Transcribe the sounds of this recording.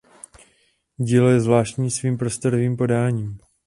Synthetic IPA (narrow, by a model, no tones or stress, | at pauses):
ɟiːlojɛzvlaːʃc̪ɲiːsviːmpɾo̞st̪oɾoviːmpo̞daːɲiːm